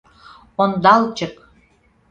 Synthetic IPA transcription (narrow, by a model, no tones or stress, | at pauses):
ond̪ɑlt͡ɕək